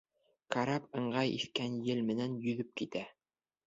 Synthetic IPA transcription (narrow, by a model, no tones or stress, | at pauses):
kaɾɑpɤ̆ɴɢɑjḭθkænjɘlmɘ̆nænjɵ̆ðɵp̚kit̪æ